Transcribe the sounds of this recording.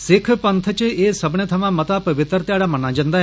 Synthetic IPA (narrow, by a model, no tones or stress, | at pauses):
sɪkʰpənt̪ʰət͡ʃeʔesəbɳet̪ʰɐmãmət̪apəʋɪt̪əɾt̪jaɽamɐnãd͡ʒənd̪a